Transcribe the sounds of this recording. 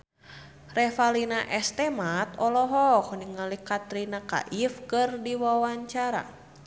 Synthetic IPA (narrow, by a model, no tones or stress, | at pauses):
rɛfalinaʔɛst̪ɛmat̪ɔlɔɦɔkniŋalikat̪ɾinaka̰ʔifkɨrdiwawaɲt͡ʃaɾa̰